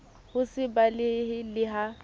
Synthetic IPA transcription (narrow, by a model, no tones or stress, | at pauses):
hʊsɪbalɪɦɪlɪɦa